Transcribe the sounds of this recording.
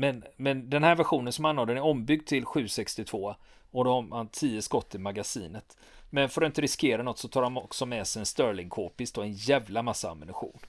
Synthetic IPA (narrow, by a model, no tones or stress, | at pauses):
mɛnmɛnd̪ɛnhæːɾvæɧuːnənsɔmanːoːd̪ənæɾɔmːbʏɡ̚d̪t̪ʰːɪlɧʉ̟ːsɛkst̪ɪt̪ʰv̥oː | ɔd̪ɔhaɾmant̪ʰiːəskɔt̪ːɪmaɡasḭːnət̪ | mɛnfœɾɔɪnt̪əɾɪskeːɾanɔt̪ːsɔt̪ʰɑːɾhanɔksɔmɛsɛjɛnst̪œɾlɪŋkʰoːpɪst̪ɔɛnjæːvlamasːaa̰mɪnɵɧṵːn